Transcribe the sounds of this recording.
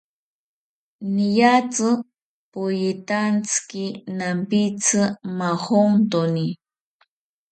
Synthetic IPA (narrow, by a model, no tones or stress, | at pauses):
nijat͡sɨ | pʊjit̪ant͡skinampit͡sʰɨmaxoŋt̪oni